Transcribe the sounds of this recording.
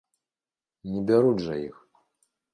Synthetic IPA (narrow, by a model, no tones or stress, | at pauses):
nʲɛbʲaɾudʐɐjix